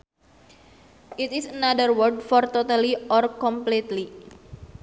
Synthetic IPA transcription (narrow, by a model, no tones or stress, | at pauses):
ʔit̪isənadərwərd̚fɔrt̪ot̪aliɔrkɔmplit̪li